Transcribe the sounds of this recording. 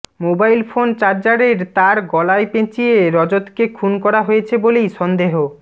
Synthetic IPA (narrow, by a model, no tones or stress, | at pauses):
mobajlfont͡ɕaɾd͡ʑaɾeɾt̪aɾɡɔlaepẽt͡ɕieeɾɔd͡ʑot̪kekʰunkɔɾaɦojet͡ɕʰebolejʃɔnd̪eɦo